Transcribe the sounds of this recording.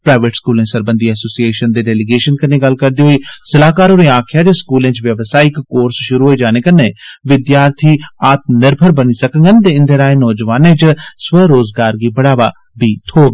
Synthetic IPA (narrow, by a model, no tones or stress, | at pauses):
pɾaːɪʋeːʈskuːlẽsəɾbə̃nd̪iɐsoːsieːʃənd̪eːɖɛːliɡeːʃənkɐnẽɡɐl̤kɐɾd̪iːɦoisɐlaːkaːɾoɾẽaːkʰjaːd͡ʒeskuːlẽːt͡ʃʋjɐʋsaːikkoːɾsʃʊɾuɦoːid͡ʒaːnekɐneʋɪd̪jaːɾt̪ʰiaːt̪nɪɾbʱəɾbɐnisɐkə̃ŋɡənt̪̬eɪ̃nd̪eɾaːẽnɔːd͡ʒʋaːnẽt͡ʃsʋəɾoːzɡaːɾɡiːbɐɽaːʋa | bʱiːt̪ʰoːɡ